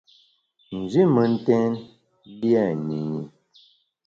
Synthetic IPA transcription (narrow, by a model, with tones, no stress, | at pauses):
n̩˨zi˦mə˨n̩˦tɛ˦n | li˦ɛ˦˨ni˨ɲi˨